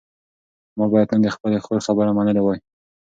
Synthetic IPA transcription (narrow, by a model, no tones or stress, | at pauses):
mɑbɑjad̪nənd̪əxpəlexoxabəɾamanəlewɑj